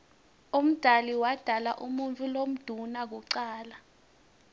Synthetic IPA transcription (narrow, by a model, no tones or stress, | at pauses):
um̩d̥ʱaliwad̥ʱalaʔumunt͡fʰʼulom̩d̥ʱunak̬uǀaːla